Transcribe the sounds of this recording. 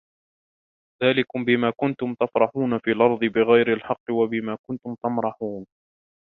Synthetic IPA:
ðaːlɪkʊmbɪmaːkʊnt̪ʊmt̪afɾˤɑħuːnafiːlʔɑɾˤðˤɨbɪɣajɾɪlħɑqːɨwabɪmaːkʊnt̪ʊmt̪amɾˤɑħuːn

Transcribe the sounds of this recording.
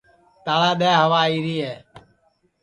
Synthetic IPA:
t̪aːɭaːɗeːɦəʋaːiːɾiːɦeː

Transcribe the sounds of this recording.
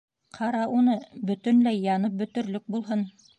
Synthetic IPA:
qʰɑɾɑʔunɤbɵ̆t̪ɵ̆nlæjːɑnɤp̚bɵ̆t̪ɵ̆ɾlɵk̚bulˠɦɤn

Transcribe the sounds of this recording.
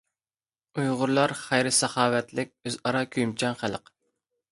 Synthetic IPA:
ujʁʊɾlˠɑɾχæjɾɪsɑχɑːwɛt̪lɪk̚ʲøzɑɾɑkʲʰyjmt͡ʃʰɑnχæləq

